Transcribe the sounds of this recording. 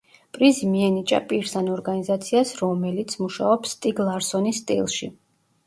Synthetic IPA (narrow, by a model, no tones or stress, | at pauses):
pʼɾizimiɛnit͡ʃʼa̰pʼiɾsanɔɾɡanizat̪sʰiasɾɔmɛlit̪sʰmuʃa̰ɔpsːt̪ʼiɡlˠaɾsɔnist̪ʼḭlˠʃi